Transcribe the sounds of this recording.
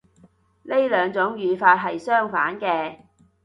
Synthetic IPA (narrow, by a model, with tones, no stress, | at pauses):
ne˥jlœː˨˧ŋt͡sʊ˨˥ŋjyː˨˧faː˧t̚ɦɐ˨jsœː˥ŋfaː˨˥nkɛː˧